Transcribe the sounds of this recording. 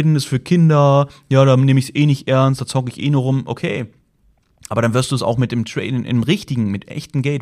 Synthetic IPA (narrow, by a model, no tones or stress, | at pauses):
dn̩dɛsfyːɐkʰɪndɐjaːɾaːneːməɪçsʔeːnɪçtʔɛɐnstd̥aːt͡sɔɡəɪçʔḛːnuːɐʁʊmʔokʰeː | ʔaːbɐɾanvɪɐstd̥uːsa̰ʊxmɪt̚d̥eːmtʁ̥ɛ̰ɪdnʔɪ̰nmʁɪçtɪɡŋ̩mɪtʔɛ̰çtn̩ɡɛlt